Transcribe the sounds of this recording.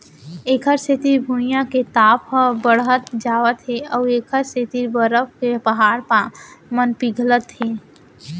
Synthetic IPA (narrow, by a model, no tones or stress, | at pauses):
eːkʰəɾset̪iɾbʱunɪjãket̪aːpəbəɽɦət̪d͡ʒaːʋət̪ɦeɔːeːkʰəɾset̪iɾbəɾəpkepəɦaːɾpamənpiɡʱlət̪ɦeː